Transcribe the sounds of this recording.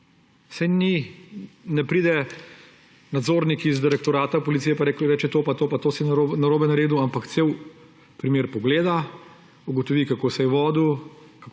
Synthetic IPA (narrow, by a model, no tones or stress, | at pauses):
sɛjni | nɛpɾiːd̪ɛ | nad̪zoːɾnikiizd̪iɾɛk̚t̪ɔɾaːt̪apɔlit̪sijɛpaɾɛkɾɛːt͡ʃɛt̪opat̪oːpat̪oːsinaɾoːbɛnaɾeːd̪uampakt̪seːw | pɾimeːɾpɔɡleːd̪a | uɡɔt̪ɔʋikakoːsɛjɛʋɔːd̪u | kak